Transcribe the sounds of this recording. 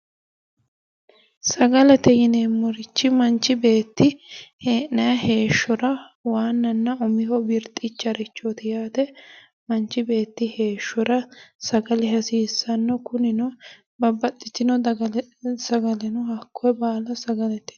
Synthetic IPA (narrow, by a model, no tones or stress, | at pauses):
sɐɡɐlɛt̪ɛjɪneːmːɔɾɪt͡ʃːɪmɐnt͡ʃːɪbe̞ːt̪ːɪheːɐjɐhe̞ːʃːɔɾɐ | waːnːɐnːɐɔmɪhɔbɪɾt̪ʼːɪt͡ʃːɐɾɪt͡ʃːot̪ɪjaːt̪ɛ | mɐnt͡ʃːɪbe̞ːt̪ːɪhe̞ːʃːɔɾɐsɐɡɐlɪɦɐsiːsːɐnːɔkʊnɪnɔ | bɐbɐt̪ʼːɪt̪ːɪnɔɐɡsɐɡɐlɛnʊɦɐkʰːɔɛbaːlɐsɐɡɐlɛt̪ːɛ̥